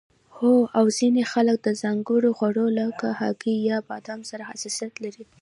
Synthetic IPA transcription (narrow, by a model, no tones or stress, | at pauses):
hoawzinexalək̚d̪əzaŋɡəɽoxwaɽolakahɑ̰ɡijɑpad̪ɑmsaɾahasɑsijat̪laɾi